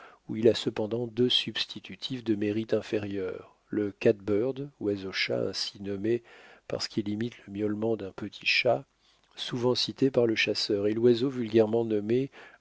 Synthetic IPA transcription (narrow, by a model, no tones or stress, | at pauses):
uilasəpɑ̃d̪ɑ̃d̪øsybst̪ʰit̪ʰyt̪ʰifd̪əmeʁit̪ɛ̃feʁjœːʁ | ləkat̪̚bœʁd̪wazoʃa̰ɛ̰̃sinɔmepa̰ʁsə̥kilimit̪ləmjɔlmɑ̃d̪ɛ̃pət̪ʰi̥ʃa | suvɑ̃sit̪epaʁləʃasœːʁelwazovylɡʲɛʁmɑ̃nɔme